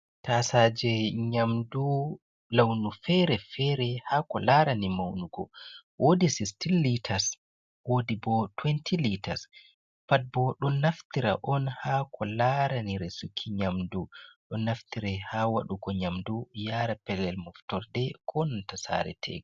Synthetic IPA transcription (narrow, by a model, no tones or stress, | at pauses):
tasaːd͡ʒɛɲamdu | lawnufɛɾɛfɛɾɛhaːkɔlaɾanimawnuɡɔ̰ | wʔodisistilːitʰas | wodibɔtwɛntʰilitas | pat̚bɔɗɔnːaft̪iɾa̰ʔɔnhaːkʰɔlaɾaniɾɛsukʰːiɲamduɗɔnːaftiɾɛhawa̰ɗuɡɔɲamdujaɾapɛlɛlmɔftɔɾdɛkʰɔnɔntasa̰ɾɛ̰tʰɛ̰ɡ